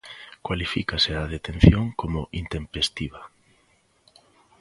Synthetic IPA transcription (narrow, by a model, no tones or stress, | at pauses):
kwalifikaseaðet̪en̟θjoŋkomʊʔint̪empest̪iβa